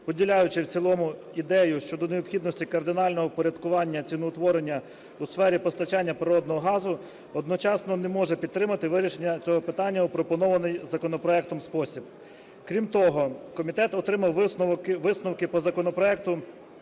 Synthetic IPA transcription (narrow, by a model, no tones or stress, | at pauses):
pɔdʲilʲajʊt͡ʃɪwt͡sʲilˠɔmʊ | id̪ɛjʊʃt͡ʃɔd̪ɔneɔpxʲid̪nɔsʲtʲikɐrd̪ɪnɑlʲnɔɦɔwpɔɾʲɐd̪kʊʋɑnʲːɐt͡sʲinʊːt̪ʋɔɾenʲːɐ | usfɛɾʲipɔst̪ɐt͡ʃɑnʲːɐpɾɪɾɔd̪nɔɦɔɦɑzʊ | ɔd̪nɔt͡ʃɑsnɔnemɔʒɛpʲid̪t̪ːɾɪmɐt̪ɪʋɪɾʲiʃenʲːɐt͡sʲɔɦɔpɪt̪ɑnʲːɐupɾɔpɔnɔʋɐnɪjzɐkɔnɔpɾɔɛk̚t̪ɔmspɔsʲib | kɾʲimt̪ɔɦɔkɔmʲit̪ɛt̪ɔt̪ɾɪmɐw̪ʋɪsnʊwkɪpɔzɐkɔnɔpɾɔɛkt̪ʊ